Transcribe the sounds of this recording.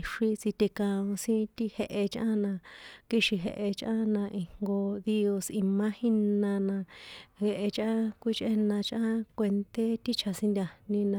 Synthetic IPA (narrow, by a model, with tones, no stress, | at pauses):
ʂi˧t͡si˧t̪e˧kã˧ũ˧sĩ˦t̪i˦he˧ʔe˧t͡ʃʔã̰˦nã˧ki˦ʃi˧ɦḛ˧ʔe˧t͡ʃʔã̰˦nã˧ʔi˧hŋɡo˧ði˦o˧si˧mã˦hĩ˦nnã˧nã˧he˧ʔe˧t͡ʃʔã˦kʷi˦t͡ʃʔe˦nã˧t͡ʃʔã˦kʷe˧nt̪e˦t̪i˦t͡ʃʰa˧sĩ˧nd̪ʲa˧nĩ˧nã˧